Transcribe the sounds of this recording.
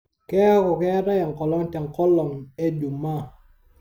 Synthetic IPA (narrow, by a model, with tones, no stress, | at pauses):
kɛ˦a˦kɔ˨kɛ˦ɾa˦ja˨ŋ˨kɔ˨lɔ˦ŋ˦tɛ˨ŋ˨kɔ˦lɔ˨ŋe˦d͡ʒu˨ma˦˨